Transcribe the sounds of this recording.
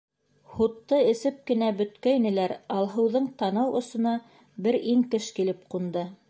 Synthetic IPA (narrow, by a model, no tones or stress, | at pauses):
hut̪ːɤɘ̆sɘp̚kɘ̆næbɵ̆t̪kæinɘ̆læɾɑlˠɦɤ̆wðɤɴt̪ɑnɤwʔŏsɤ̆nɑ | bɘɾiŋkɘʃkilɘp̚qund̪ɤ